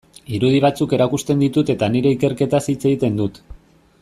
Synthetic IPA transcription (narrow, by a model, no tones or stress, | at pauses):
iɾuð̞iβ̞at͡suke̞ɾakust̪e̞nd̪it̪ut̪e̞t̪aniɾe̞ike̞ɾke̞t̪asit͡se̞ɣit̪e̞nd̪ut̪